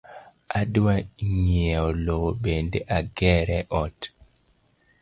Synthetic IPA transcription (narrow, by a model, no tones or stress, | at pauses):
adwaŋeɔlobendeʔaɡɛɾɛʔɔt